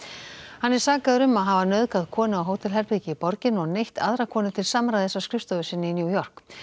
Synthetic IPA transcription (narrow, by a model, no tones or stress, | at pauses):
hanːɛɾ̥saːkaðɾʏmːaðɦavanœɥðkaðkʰɔːnɪawɦoːwt̪ʰɪlɦɛɾpiːcɪipɔɾcɪnɔɣnejht̪a̰ðɾakʰɔːnɪt̪ʰɪlsamɾaðθɛsːaskɾʏfst̪ɔvʏsɪnːɪinjuwjɔr̥k